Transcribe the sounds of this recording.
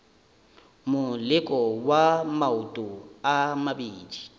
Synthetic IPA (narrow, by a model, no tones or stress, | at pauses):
mʊlɪkʼɔwamautʼʊamabiːdi